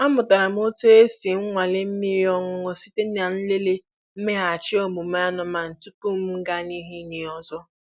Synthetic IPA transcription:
a˦mʊ˨ta˨ɾa˨m̩˦o˦tu˦e˦si˨ŋ̩˦ŋʷa˨le˦m̩˦mi˦ɾi˦ɔ˦ŋʊ˦ŋʊ˦si˦te˦n˦a˨n̩˦le˦le˦ | m̩˦me˦ɦa˨t͡ʃɪ˦o˦mu˨m̩˦a˦nɔ˨ma˨n̩˨tu˦pu˦m̩˦m̩˦ɡa˦ni˦ɦi˦ne˨ɔ˦zɔ˦

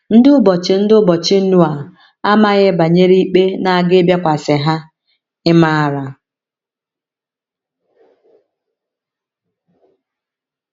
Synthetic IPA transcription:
n̩˦dɪ˦ʊ˦bɔ˨t͡ʃɪ˨n̩˦dʊ˦bɔ˨t͡ʃɪ˦n̩˦nu˦a˨ | a˦ma˦ɣɪ˦ba˨ɲe˦ɾi˦i˦k͡pe˦na˨a˨ɡɪ˦bja˦kʷa˨sɪ˨ɦa˦ | ɪ˦ma˦a˨ɾa˨

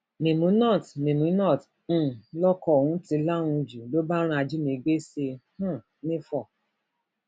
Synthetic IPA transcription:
ne˨mũ˨˦nɔ̃˦˨tnĩ˨mũ˨˦nɔ̃˦˨t̩˦˨ | lɔ˦kɔ˧˨o˨hũ˦ti˧la˦nũ˧d͡ʒu˨lo˦ba˦ɾ̃a˧d͡ʒi˦ne˨ɡ͡be˦se˧hã˦˨ | nĩ˦fɔ˦˨

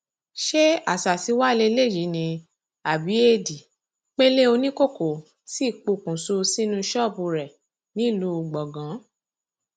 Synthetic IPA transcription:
ʃe˦a˨sa˨si˨˦wa˦˧le˧le˦˨ji˨˦nĩ˧ | a˨bi˨˦e˦di˨ | k͡pe˦le˦o˧nĩ˦ko˦˨ko˨ | si˦˨k͡pu˧kũ˨su˧si˦nũ˦ʃɔ˦˨pu˧ɾɛ˨ | nĩ˨˦˨lu˦˧ɡ͡bɔ˨ɡã˨˦

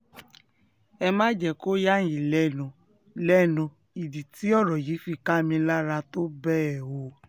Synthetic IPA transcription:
ɛ˧mãː˦d͡ʒɛ˨ko˦ja˦ji˨lɛ˦˨nũ˧˨ | lɛ˦nũ˧ | i˨di˨ti˨˦ɔ˦˨ɾɔ˨ji˨˦fi˧ka˦mĩ˧la˦ɾa˧to˦bɛ˦ɛ˨wo˨˦

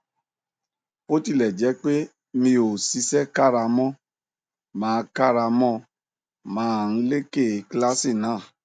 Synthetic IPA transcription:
o˦ti˦˨lɛ˨d͡ʒɛ˨˦k͡pe˦ | mĩ˧o˨si˧˦sɛ˦ka˦ɾa˧mɔ̃˦ | mãː˨˦˧ka˦˨ɾa˧mɔ̃˦ | mãː˨˦˨n̩˦le˦ke˦˨˦kla˦si˦˨nãː˨˦˨

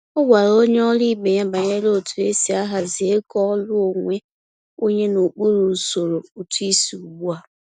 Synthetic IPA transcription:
ʊ˦ɡa˨ɾo˦ɲe˦ɔ˦li˦be˨ɲa˦ba˨ɲe˦lo˦˨tu˨e˦si˨a˦ɦa˨zɪ˨e˦kɔ˦ɔ˦lʊ˦o˨ŋʷe˦ | o˦ɲe˦no˨k͡pu˦ɾu˨so˨ɾo˨u˨tu˦i˦si˨u˨ɡ͡bu˦a˨

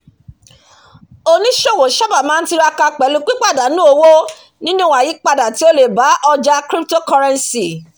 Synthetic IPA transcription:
o˧nĩ˦ʃo˦˨wo˨˦ʃɔ˦ba˦˨mãː˨˦n̩˦ti˧˦ɾa˧ka˧k͡pɛ˨˦lu˧k͡pi˦k͡pa˦˨da˨˦nũ˦o˧wo˦ | nĩ˦nũ˦wa˨ji˨˦k͡pa˧da˨ti˨˦o˦le˨ba˨˦ʔɔ˧d͡ʒa˧kɾi˦pto˦kɔ˧ɾɛ̃˧nsi˨

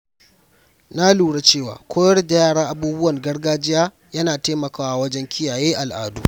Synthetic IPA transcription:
na˦luː˨ɽa˦t͡ʃeː˦˨wa̰ː˨kʷʰoː˦jɐ˦rda˨jaː˦˨ɽaː˦ʔa˦buː˦bʊ˦wɐ˨rɡɐ˦rɡaː˦d͡ʒɪ˦jaː˦ | jɐ˦naː˨teː˦mɐ˨kaː˦wa˦wɐ˦d͡ʒɛ˦ŋkʲʰɪ˦jaː˨jeː˦ʔa˨lʔa̰ː˨dṵ˦˨

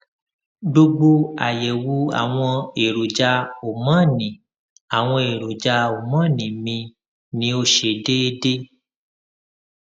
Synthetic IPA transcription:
do˧ɡ͡bo˧a̰˨jɛ˨wu˧a̰˨w̃ɔ̃˧e˨ɾo˨d͡ʒa˧o˨mã˦˨nĩ˨ | a˨w̃ɔ̃˧e˨ɾo˨d͡ʒa˧o˨mã˦˨nĩ˨mĩ˧ | nĩ˦o˧ʃe˨de˦e˧de˦

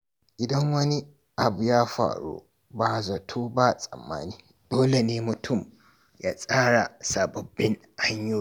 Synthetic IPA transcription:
ʔɪ˨dɐ˦ŋwɐ˦ni˦ | ʔa˨bu˨jaː˦ɸa̰ː˨ɽo̰ː˦ | ba˨zɐ˨tʰoː˦ba˦sʼɐ̰˨mːa̰ː˦niː˦ | d̥oː˦le˨neː˦mʊ˨tʰʊ˦˨m | ja̰ː˦sʼaː˦ɽa˨sa˨bɐ˨bːɪ˦ŋ | ʔa˦ɲjoː˦

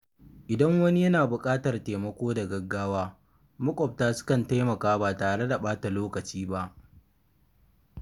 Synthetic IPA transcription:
ʔɪ˨dɐ˦ŋwɐ˦ni˦jɐ˦naː˨bʊ˨kʼaː˦tɐ˨rteː˨mɐ˦kʷoː˦da˨ɡɐ˦ɡːaː˦waː˦ | mʊ˦kʷʼɔ˨p̚taː˦sʊ̥˦kɐ˨nta˦jmɐ˨kaː˦baː˨taː˨ɽe˦da˨ɓaː˦ta˨loː˦kɐ˨t͡ʃiː˦ba˦ʔ

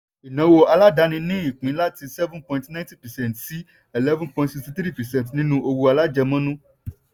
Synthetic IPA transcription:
i˨nã˨˦wo˧a˧la˦da˨˦nĩ˧nĩ˦i˦˨k͡pĩ˨˦la˦ti˧sɛ˦vũ˦npɔ̃˧˨ĩntnã˦nti˦pɛ˨sɛ̃˦˨ntsi˦ | ɛ˨lɛ˦vũ˦npɔ̃˧ĩ˧tsi˧kstĩ˧t̪ɾi˦˨pɛ˨sɛ̃˦˨ntnĩ˦nũ˧˦o˧wu˧a˧la˦d͡ʒɛ˧mã˦nũ˦

